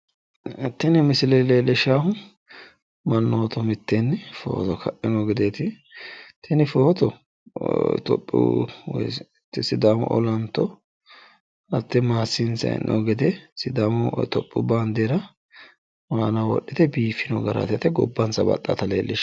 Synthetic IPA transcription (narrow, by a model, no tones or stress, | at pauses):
t̪ːɪnɪmɪsɪleleːlːɪʃaːhʊ | mɐnːoːt̪ɔmɪt̪ːenːfo̰ːt̪ɔkʰɐʔːɪnɔɡɪd̪eːt̪ɪ | t̪ʰːɛnɪfoːt̪ɔ | t̪ɔ̰pʼːɪ̰w̰ | t̪ːɪsɪd̪aːmɔ̰ʔɔ̰lɐnt̪ːɔ | ɐt̪ːɛmaːsːɪnsɐ̰nʔɔ̰ɡɛd̪ɛsɪd̪aːmt̪ɔpʼːʊbaːnd̪eːɾɐ | waːnɐwɔ̰ɗːɪt̪ɛbiːfːɪnɔɡɐɾɐ̰t̪ɛt̪ɛɡɔ̰bːɐnsɐbɐ̰t̪ʼːa̰t̪ɐlḛːlʔɪʃ